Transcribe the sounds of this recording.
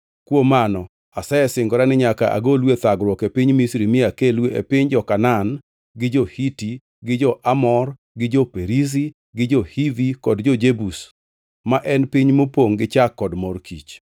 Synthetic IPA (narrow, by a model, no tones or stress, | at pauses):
kwomanɔ | asɛɛsɪŋɡɔɾanɪɲakaʔa̰ɡolwet̪aɡɾwɔkepɪɲmisɾimɪakelweḛpɪɲd͡ʒɔkanan | ɡɪd͡ʒɔhiti | ɡɪd͡ʒɔʔamɔr | ɡɪd͡ʒɔpeɾiz̬i | ɡɪd͡ʒɔhivikɔdd͡ʒɔd͡ʒebus | maʔɛnpiɲmopoŋɡɪt͡ʃakːɔdmɔrkʰḭt͡ʃ